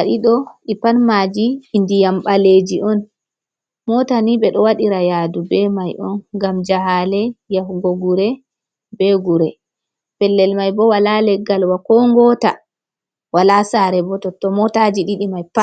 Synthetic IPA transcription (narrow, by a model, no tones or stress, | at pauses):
aɗiɗɔɗipanmad͡ʒiːndijamɓaled͡ʒiʔɔn | mɔtaniɓɛɗɔwaɗiɾajadubɛmajɔnɡamd͡ʒaɦalɛjafɡoɡuɾɛ | bɛɡuɾɛ | pɛlːɛlmajbɔwalalɛɡːalwakɔŋɡɔta | walasaɾɛbɔtɔtɔmɔtad͡ʒiɗiɗimajpa